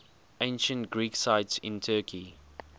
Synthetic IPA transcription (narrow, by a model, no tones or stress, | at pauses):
ẽɪ̃nʃə̃ntɡɹiːksaɪtsɪ̰̃ntʰɜːkʰi